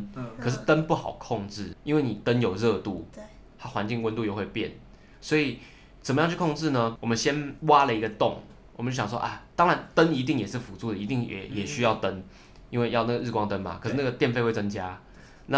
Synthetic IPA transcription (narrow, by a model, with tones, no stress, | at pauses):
kʰɤ˨˩ʂ̬ɻ̩˥˩t̪ə˦˥npu˥˩xɑ̰˨˩ʊkʰo˥˧ŋʈ͡ʂɻ̩˥˩i˥nwe˥˩ɪni˨˩t̪ə˦˥njo˨˩ʊɻɤ˥˧t̪u˥˩ | t̪a˦˥xwa˧˦nt͡ɕi˥˧ŋwə˦nt̪u˧jo˥˧ʊwe˥˧ɪpjɛ̰˥˩n | swɔ˧˥i˨˩ | t͡sə˨˩mə˦jɑ˥˧t͡ɕʰy˥˩kʰo˥˧ŋʈ͡ʂɻ̩˥˩nə˧wɔ˨˩mə˦nɕjɛ˥nwa˥lə˨i˧˥ɡə˧t̪ʊ˥˨ŋ | wɔ˨˩mə˨˦t͡ɕo˥˩ɕjɑ˨˩ʂwɔ̰˥ʔa˥˩t̪ɑ˥ŋɻa˧˦nt̪ə˦ni˧˥t̪i˥˩ŋjɛ˨˩ʂɻ̩˥˩fu˧˥t͡su˥˩d̪ə˨˩i˧t̪i˥˩ŋjɛ̰˨˩jɛ˨˩ɕy˥jɑ˥˩ʊt̪ə˦˥n | i˥˦nwe˥˧ɪjɑ˥˧ʊna˥˩ɡə˩ɻ̩˥˩kwɑ˥˧ŋt̪ə˦nba̰˨˩kʰə˨˩ʂɻ̩˥˩na˥˩ɡə˩t̪jɛ˥˧nfe˥˧wt͡sə˦ŋt͡ɕja˥ | na˥˨